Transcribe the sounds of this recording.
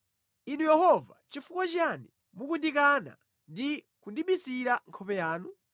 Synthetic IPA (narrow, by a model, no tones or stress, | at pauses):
inujɛhɔva̰t͡ʃifukwat͡ʃani | mukundikana̰ | ndi | kundiɓisiɾaŋkʰɔpɛjaːnu